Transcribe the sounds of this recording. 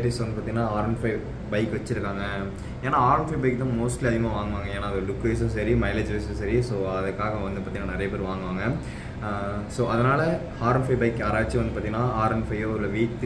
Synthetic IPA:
ʈːɪsʋɐnd̪ɯpːaɾt̪iŋɡɐnːaːaːɾɐnfɐɪ | bɐɪkːʋɐt͡ʃːɪɾɯkːaːŋɡɐ | eːnãːaːɾɐnfɐɪbɐɪkːt̪ːãːmoːsʈliɐðɪŋɡɐ̃ʋaːŋɡɯʋaːŋɡɐeːnːaːɐðɐɖʊkːeːs̬ɐ̃s̬ɐɾimɐɪled͡ʒʋɐɪsɐ̃sɐɾisoːɐðɐkːaːɣɐʋɐnd̪ɯpaːʈt̪iŋɐnːaːnɪɾɐjɐpeːɾɯ̃ʋaːŋɡɯʋaːŋɡɐ | soːɐðɐnaːlɐ | haːɾɐnfɐɪbɐɪkːaːɾaːʋɪt͡ʃːiɐnd̪ɯpaɾt̪iŋɡɐnːãːaːɾɐnfɐɪjoːlːɐʋiːʈ̪ː

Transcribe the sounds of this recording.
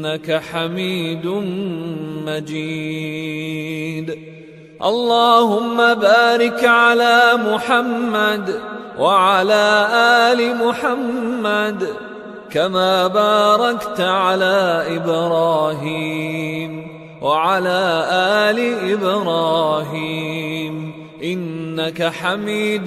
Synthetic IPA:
akaħamiːd̪ʊn | mad͡ʒiː | d̪ | ʔɑ̰lˤːɑːhʊmːabaːɾɪkʕalaːmʊħamːad̪wʔaʕalaːʔaːlɪmʊħamːad̪ | kamaːbaːɾˤɑkt̪ʕalaːʔɪbɾˤɑːɦiːm | waʕalaːʔaːlɪʔɪbɾɑːɦiːm | ʔɪnːakaħamiːd̪

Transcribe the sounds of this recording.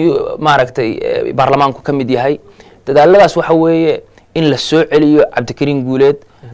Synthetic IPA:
maɾɐkt̪ʰɛj̰baːrlɐmaːŋkʰʊ̥kʰɐmɪd̪jɐɦɛj | d̪̥ɐðaːlɐðaːswɑħɑwɛːjɛ | ɪnlɐsɔːʕɛlɪjɔʕɑb̚d̪ɪkʰɐɾiːŋɡuːlɛːd̪

